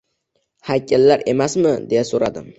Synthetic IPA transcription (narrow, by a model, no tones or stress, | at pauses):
hakʲʰalːaɾe̞masmɪd̪e̞jasoɾad̪ɪm